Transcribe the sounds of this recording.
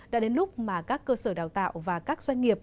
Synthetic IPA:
ɗa̰ː˧˥ɗe˨˦nlʊ˦˥k͡p̚maː˨˩kaː˦˥kːəː˧səː˧˩ɗaː˨˩wt̪a̰ː˧˨wvaː˨˩kaː˦˥k̚zwa˧jŋ̟ŋi˨˩əp̚

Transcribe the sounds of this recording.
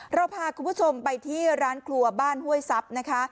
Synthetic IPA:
ɾa˧wpʰaː˧kʰu˧npʰu˥t͡ɕʰo˧mpa˧jt̪ʰiː˥˩ɾaː˦˥nkʰlu˧ɐbaː˥˩nhu˥˩əjsa˦˥p̚na˦˥kʰa˦˥

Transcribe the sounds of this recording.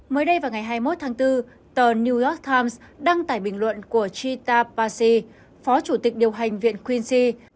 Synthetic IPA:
məː˨˦jɗə˧jvaː˨˩wŋa˨˩jɦaː˧jmo˦˥t̚t̪ʰaː˨˦ŋt̪ɨ˧ | t̪əː˨˩ni˧jɔ˦˥k̚t̪ʰaː˧jmsɗa˧ŋt̪a̰ː˧˩jɓï˨˩ŋ̟lwə̰˧˨nku˧˩ət͡ɕi˧t̪aː˧paː˧si˧ | fɔ˨˦t͡ɕu˧˩t̪ï˨˩k̟̚ɗi˨˩əwɦa˨˩jŋ̟vḭ˧˨ənkwi˧nsi˧

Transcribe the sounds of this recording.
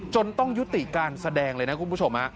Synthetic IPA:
t͡ɕo˧nt̪ɔ˥˩ŋju˦˥t̪i˨˩kaː˧nsa˧dɛː˧ŋlɤː˧jna˦˥kʰu˧npʰu˥˩o˧mha˦˥ʔ

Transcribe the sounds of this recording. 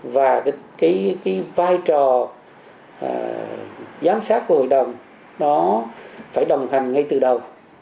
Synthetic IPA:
vaː˨˩˨kaː˨˦jkaː˨˦jvaː˧jt͡ɕɔ˨˩˨ | zaː˨˦msaː˦˥t̚ku˧˩əho̰˧˨jɗə˨˩wŋ͡m | nɔ˨˦faː˧˩jɗə˨˩wŋ͡mha˨˩jŋ̟ŋa˧jt̪ɨ˨˩ɗə˨˩w

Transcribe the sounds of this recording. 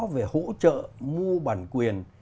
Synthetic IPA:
ve˨˩ho̰˧˥t͡ɕə̰ː˧˨mu˧əɓaː˧˩nkwi˨˩ən

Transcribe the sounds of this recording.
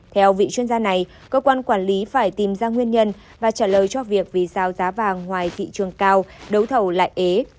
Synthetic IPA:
t̪ʰɛ˧wvḭ˧˨t͡ɕwi˧ənzaː˧na˨˩j | kəː˧kwaː˧nkwaː˧˩nli˨˦faː˧˩jt̪i˨˩mzaː˧ŋwi˧ənɲə˧n | vaː˨˩t͡ɕaː˧˩ləː˨˩jt͡ɕɔ˧vi˨˩ək̚vi˨˩zaː˨˧˩wzaː˨˦vaː˨˩ŋhwaː˨˩jt̪ʰḭ˧˨t͡ɕɨ˨˩əŋkaː˧wɗə˨˦wt̪ʰə˧˩wla̰ː˧˨jʔe˨˦

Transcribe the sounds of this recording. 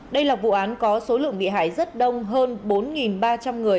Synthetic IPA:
ɗə˧jlaː˨˩vṵ˧˨ʔaː˨˦nkɔ˨˦so˨˦lɨ̰˧˨əŋɓḭ˧˨ɦa̰ː˧˩˨jzə˦˥t̚ɗə˧wŋ͡mɦəː˧nɓo˨˦nŋi˨˩nɓaː˧t͡ɕa˧mŋɨ˨˩əj

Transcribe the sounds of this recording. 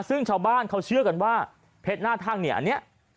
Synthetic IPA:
sɯ˥˩ŋt͡ɕʰaː˧˩wbaː˧˥˩nkʰa˧˩wt͡ɕʰɯ˥˩əka˧nwaː˥˩ | pʰe˦˥t̪̚naː˥˩t̪ʰaː˥˩ŋni˧˥˩ʔa̰˧˨nːi˦˥ɐʔ

